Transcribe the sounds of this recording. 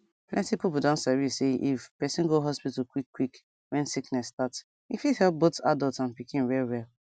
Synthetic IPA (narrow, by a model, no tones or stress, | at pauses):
pʰlʔɛ̃ntipipudɔ̃ntsaɹiseʔifpɛsĩnɡoɦɔspitl̩kwikːwik | wɛ̃nsiknɛsːtats | ifihɛlp̚bota̰daltãnpikʰĩnɹɛlwɛl